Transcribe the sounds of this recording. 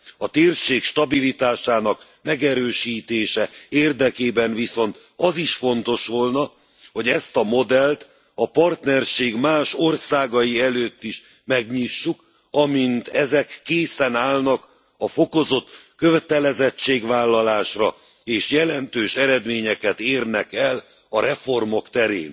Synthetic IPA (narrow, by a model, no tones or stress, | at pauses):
ɒt̪eːrʃeːkʃt̪ɒbilit̪aːʃaːnɒk | mɛɡɛɾøːʃiːt̪eːʃɛeːrd̪ɛkeːbɛnviso̞nt̪ | ɒziʃfo̞nt̪o̞ʃʋo̞lnɒ | ho̞ɟɛst̪ɒmo̞d̪ɛlt̪ | ɒpɒrt̪nɛrʃeːɡmaːʃo̞rsaːɡɒjiɛløːt̪ːiʃ | mɛɡɲiʃːuk | ɒmint̪ɛzɛkːeːsɛnaːlnɒk | ɒfo̞ko̞zo̞t̪køvɛt̪ɛlɛzɛt͡ʃːeːɡʋaːlːɒlaːʃrɒ | eːʃjɛlɛnt̪øːʃɛɾɛd̪meːɲɛkɛt̪eːrnɛkɛl | ɒɾɛfo̞rmo̞kt̪ɛɾḛːn